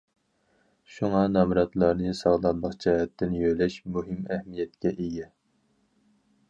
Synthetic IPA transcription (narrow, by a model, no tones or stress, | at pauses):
ʃuŋɑnɑmɾɑt̪lˠɑɾnɨsɑʁlˠɑnːˠəqd͡ʒɛːɛt̪ʰːɪnjølɛʃmuɦɪmæhmijɛt̪kʲʰɛʔeɡʲɛ